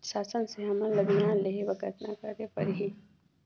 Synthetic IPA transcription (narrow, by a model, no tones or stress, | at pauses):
ʃaːsənseɦɐmə̃lɐbinãːleɦebɐɡət̪nakɐɾepɐɾɦi